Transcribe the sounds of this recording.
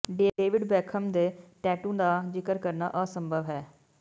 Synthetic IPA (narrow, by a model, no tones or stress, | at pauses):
ɖeːeːʋɪɖbɛːkʰəmd̪eːʈɛːʈũːd̪aːd͡ʒɪkəɾkəɾna̰ːʔəsəmbʱəʋɦɛː